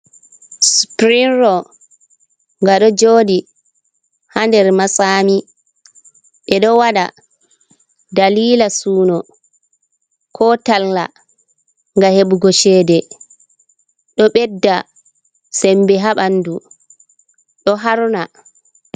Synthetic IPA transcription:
spɾinɾɔ | ŋɡaɗɔd͡ʒoːdi | handɛɾmasaːmi | ɓɛɗɔwaɗa̰ | daliːlasuːnɔ | kʰɔtalːa | ŋɡaheɓuɡɔʃɛːdɛ | ɗɔɓɛdːa | sɛmbɛɦaɓanːdu | ɗɔɦaɾuna

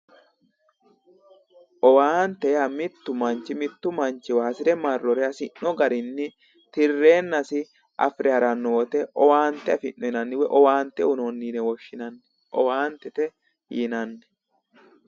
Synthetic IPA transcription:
ʔɔwaːnt̪ːɛjamɪt̪ːʊmɐnt͡ʃːɪmɪt̪ːʊmɐnt͡ʃːɪwaːsɪɾɛmɐrːɔɾɛɐsɪnːɔɡɐɾɪnːɪ | t̪ɪrːe̞ːnːɐsɪ | ʔɐ̰fɾɛhɐɾɐnːɔwɔt̪ɛɔwaːnt̪ːɛɐfɪnːɔjɪnɐnːɪwɛʔɔwaːnt̪ːɛʊnonːiːnɛwɔʃːɪnɐnːɛ | ʔɔ̰waːnt̪ːɛt̪ɛ | jɪnɐnːɛ̥

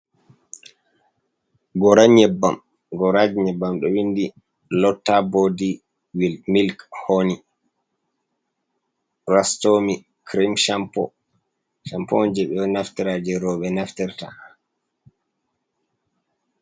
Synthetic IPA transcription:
ɡɔɾaɲɛbːam | ɡɔɾad͡ʒiɲɛbːamɗɔwindi | lɔtːabodi | wilmilkhoni | rastomi | kɾimʃampɔ̰ | ʃampɔnd͡ʒɛɓɛɔnaftiɾaːd͡ʒɛɾɔɓɛnaftiɾta

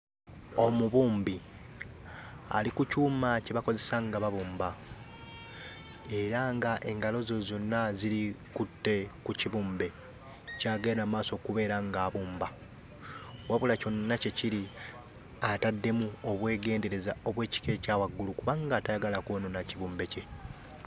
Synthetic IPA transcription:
o̞muβuːmbi | a̰likucuːmaceβako̞ze̞saŋɡaβaβuːmba | e̞ɾaŋɡaʔe̞ŋɡalo̞zo̞zo̞nːaziɾikutːe̞kuciβuːmbe | caːɡeɾamaːso̞ːkuβe̞ːɾaŋɡaːβuːmba | waβulaco̞nːace̞ciɾi | atadːe̞muo̞βwe̞ːɡe̞ːnde̞ɾe̞zao̞βwe̞ːci̥ke̞caːwaɡːulukuβaŋɡaːtajaɡalakwo̞ːnonaciβuːmbe̞ce̞

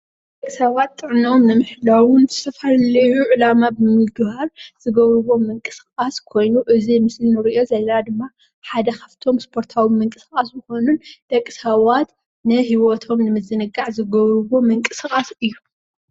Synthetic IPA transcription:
d̪ɐkʼisawat̪ʼːɨʕnio̞mnɨmɨħlawɨnzɨsɐfallɐjuʕɨlamabɨmɨɡbaɾz̥ɨɡɐβɾɨβo̞mɨŋkʼɨsxʼaskʰo̞jnuʔɨzimɨslinɨɾiʔo̞zɐlːɐnad̪ɨmːa | ħad̪ɐkʰɐft̪ʰo̞mspʰo̞ɾt̪ʰawimɨŋkʼɨskʼasjɨxo̞nund̪̥ɐkʼːisawat̪ | nɨhiwot̪ʰo̞mnɨmɨzɨnɨɡaʕzɨɡɐβɾɨβo̞mɨŋkʼɨsɨxʼasɨjːu

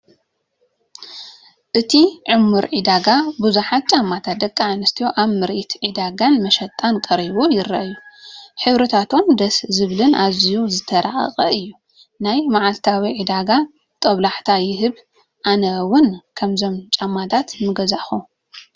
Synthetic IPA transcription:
ʔɨt̪ʰiʕʊmːuɾʕid̪aɡabuzuħat̪̚t͡ʃʼamːat̪ʰat̪̚d̪ɐkʼːaʕanɨst̪ʰijoʔaβmɨɾʔit̪ʕid̪aɡanmɐʃɐt̪ʼankʼɐɾiβujɪɾːaʔjuħɨβɾɨt̪ʰat̪ʰo̞md̪ɐszɨβlɨnazijuzɨt̪ʰɐɾa̰ɐ̰χʼɐɨjːu | najmaʕalt̪ʰawiʕid̪aɡa | t̪ʼɐβlaħt̪ʰajɪhɨβ | ʔanɐwʊnkʰɐmzo̞mt͡ʃʼamːat̪ʰat̪mɨɡɐzaʔxu

